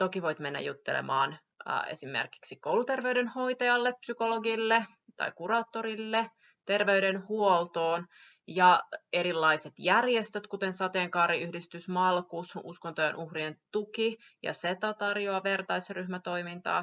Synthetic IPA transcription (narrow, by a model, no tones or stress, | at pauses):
t̪okiʋo̞jt̪menːæ̰jut̪ːḛlḛmɑːn̰ː | ḛsimːḛrki̥ksikowlut̪erʋeyɥdenho̞it̪ɑjɑlːepsykoloɡilːe | t̪ɑ̰ikurɑːt̪ːoɾilːe | t̪e̞rʋeydenhuolt̪oːn | jɑe̞ɾilːɑiset̪jærjest̪øt̪kut̪ensɑt̪eːŋkɑːɾiyhdist̪ysmɑlkuːsunʔuskont̪ojenʔuhrient̪uki | jɑ̰set̪ɑt̪ɑrjoɑʋert̪ɑisryhmæt̪o̞imint̪ɑ̰ː